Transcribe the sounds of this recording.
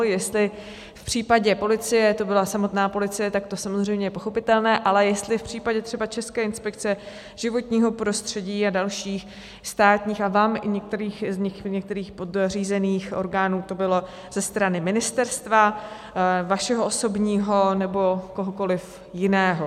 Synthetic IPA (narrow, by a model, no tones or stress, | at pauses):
jɛst̪lɪ | fpr̝̥iːpaɟɛpo̞lɪt͡sɪjɛt̪o̞bɪlasamo̞t̪naːpo̞lɪt͡sɪjɛt̪akt̪osamozr̝ejmɲɛjɛpoxo̞pɪt̪ɛlnɛːʔalɛjɛst̪lɪfpr̝̥iːpaɟɛt̪r̥ɛbat͡ʃɛskɛːɪnspɛk̚t͡sɛ | ʒ̥ɪvo̞t̪ɲiːɦo̞pɾo̞st̪r̝̥ɛɟiːadalʃiːx | st̪aːt̪ɲiːxavaːmɪɲɛk̚t̪ɛɾiːxzɲɪxɲɛk̚t̪ɛɾiːxpo̞d̪riːzɛniːxʔo̞̰ɾɡaːnuːt̪o̞bɪlo̞ | z̥ɛst̪ɾanɪmɪnɪst̪ɛɾst̪va | vaʃɛɦoʔoso̞bɲiːɦo̞nɛbo̞koɦoko̞lɪf | jɪnɛːɦo